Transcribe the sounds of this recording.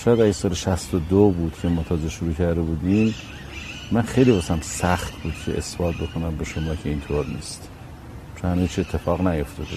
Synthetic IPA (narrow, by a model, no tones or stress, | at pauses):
ʃɒːjæd̪æjsɒːleʃæst̪od̪obuːd̪̥cʰemɒːt̪ʰɒːzeʃoɾuːcʰæɾd̪ebuːd̪iːm | mænxejlibɒsæmsæxt̪buːd̪̥cʲʰe̞̰ʔesb̥ɒːt̪̚ʰbe̞kʰonæmbeʃomɒːcʰeint̪ʰoɾnḭːst̪ | t͡ʃʰonhænuːzt͡ʃʰiet̪ʰːe̞fɒːɣnæjo̞ft̪ɒːd̪e